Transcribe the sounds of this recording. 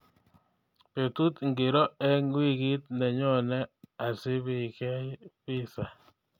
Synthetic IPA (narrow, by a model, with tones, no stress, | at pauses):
pe˨t̪u˦t̪ŋɡe˨ɾɔ˦ɛ˦ŋwi˦˨ɡi˦t̪̚nɛ˨ɲɔ˦˨nɛ˦a˨sɪ˦βɪ˨kɛ˦pɪ˦sa˨